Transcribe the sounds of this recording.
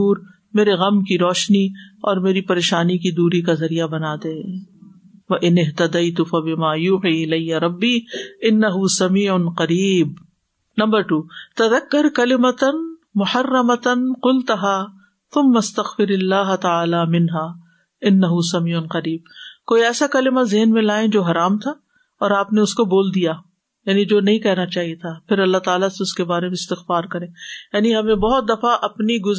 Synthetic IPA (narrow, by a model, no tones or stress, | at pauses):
uːɾ | meːɾeɣɐmkiɾɔːʃniɔːɾmeːɾipɐɾeːʃaːnikid̪uːɾikazɐɾijabɐnaːd̪ẽ | ʋɐʔɪnɪɦt̪ɐd̪ɐjt̪ʊfɐbɪmaːjuːħiɪlɐjːɐɾˤɐbːiːɪnːɐɦʊsɐmiːʕʊnqɐɾiːb̚ | nɐ̃mbɐɾʈuːt̪ɐðɐkːɐɾkɐlɪmɐt̪n | mʊħɐrːɐmɐt̪nqʊlt̪ɐɦaː | θʊmːɐst̪ɐɣfɪɾɐlːaːɦt̪ɐaːlaːmɪnɦaː | ɪnːɐɦusɐmiːʊnqɐɾiːb̚koːiɛːsakɐlɪmazɪɦnmẽlaːẽd͡ʒoːɦɐɾaːmt̪ʰa | ɔːɾaːpneʊskoboːld̪ijaː | jaːnid͡ʒoːnɐɦĩkɛɦnat͡ʃaːɦijet̪ʰapʰɪɾɐlːat̪aːlaseʊskebaːɾemẽɪst̪ɪxfaːɾkɐɾẽːjaːniɦɐmẽbɔɦʊt̪̚d̪ɐfaʔɐpniɡʊ